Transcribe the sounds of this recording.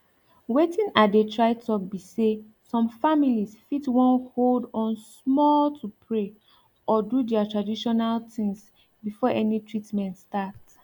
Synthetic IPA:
wetĩnadetʰɹaɪtʰɔk̚bise | sɔ̃mfamilisfitwɔ̃nholdɔ̃nsmɔltʰupʰɹe | ɔdudɛatɹadiʃɔnaltʰĩŋs | bifɔʔɛnitʰɹitmɛ̃ntstat

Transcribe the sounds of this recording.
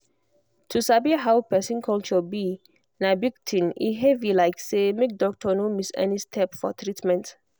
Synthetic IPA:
tʰusabiɦawpɛsĩnkʰɔlt͡ʃɔbi | nabiktʰĩnḭɦevilaɪksemek̚dɔk̚tʰɔnomisɛ̰nistʰɛpfɔ̰tɹitmɛ̃nt

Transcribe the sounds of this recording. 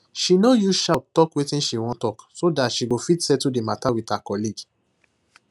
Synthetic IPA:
ʃinojuʃatɔkwetĩnʃiwɔ̃tɔksodatʃibofitsɛtudematawitakɔlid͡ʒ

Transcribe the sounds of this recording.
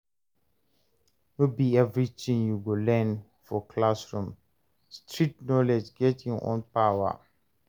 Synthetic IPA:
nobiɛvɹitĩŋjuɡolɛ̃n | fɔkʰlasɹũm | stʰɹitnɔlɛd͡ʒɡɛtʰĩŋɔ̰̃npawa̰

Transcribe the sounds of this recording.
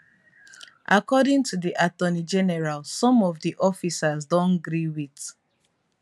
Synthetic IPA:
ʔakɔdĩŋtʰuðiʔatɔnid͡ʒɛnɛɹalsɔ̃mɔvdiʔɔfisazdɔ̃nɡɹiwit

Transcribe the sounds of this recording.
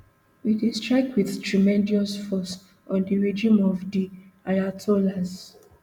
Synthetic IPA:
widestɹaɪkwiðtɹimɛ̃ndiɔsfɔs | ɔ̃ndiɹd͡ʒĩmɔvdiajatʰolas

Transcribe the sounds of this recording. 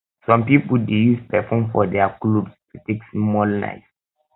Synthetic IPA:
fɹɔ̃mpipəldejuspɛfɔ̃mfɔdɛaklubstuteksmɔlna̰ɪs

